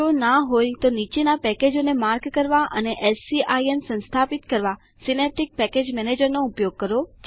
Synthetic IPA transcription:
onaɦojt̪onit͡ʃenapɛked͡ʒonemaɾɡkəɾʋaʔəneʔɛlsiʔaiensə̃nst̪ʰapit̪kəɾʋa | sinep̚ʈik̚pɛked͡ʒmɛned͡ʒəɾnoʊpjoɡ̚kəɾod͡ʒ

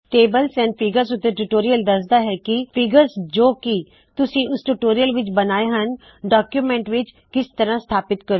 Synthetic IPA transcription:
ʈeːbəlsɛ̃ːnpʰɪɡəɾsʊt̪ːeʈuʈoːɾijəld̪ɐsd̪aːɦɛːkipʰɪɡəɾsd͡ʒoːki | t̪ʊsĩːʊsʈuʈoːɾijəlʋɪt͡ʃbɐnaːeɦən | ɖaːkjumɛ̃ːɳʈʋɪt͡ʃ | kɪst̪əɾãst̪ʰaːpɪt̪kəɾo

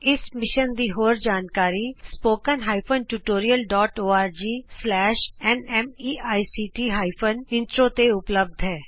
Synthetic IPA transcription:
ɪsmɪʃənd̪iːɦoːɾd͡ʒaːnkaːɾispoːkənɦaːɪpʰənʈuʈoːɾijəlɖɔːʈoːaːɾd͡ʒiːslɛːʃɛnɛːmiːaːisiːʈiːɦaːɪpʰənɪ̃nʈɾoːt̪eʊpləb̚d̪ʱɦɛː

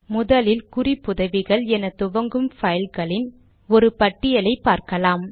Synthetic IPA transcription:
mʊðɐlɪlkʊripːʊðɐʋɪɣɐɭɛnɐt̪ʊʋɐŋɡɯmfɐjɪlɣɐɭɪn | ɔɾɯpɐʈːɪjɐlɐɪpːaːɾkɐlaːm

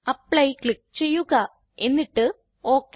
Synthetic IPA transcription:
ɐpɭɐjklɭik̚t͡ɕe̞jːuɣɐ | e̞nːiʈːɨ | oːkːe

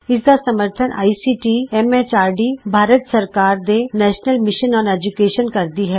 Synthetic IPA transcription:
ɪsd̪asɐməɾt̪ʰənʔa̰ːisiːʈiɛmet͡ʃaːɾɖibʱaːɾət̪sɐɾkaːɾd̪enɛːʃnəlmɪʃənɔːnɛd͡ʒukeːʃənkɐɾd̪iɦɛː

